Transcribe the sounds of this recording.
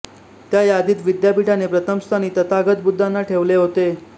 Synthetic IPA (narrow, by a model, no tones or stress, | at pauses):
t̪jajad̪iːt̪ʋid̪japiʈʰanepɾət̪əmst̪ʰaniːt̪ət̪aɡət̪̚bud̪ʱːanːaʈʰeʋleɦot̪e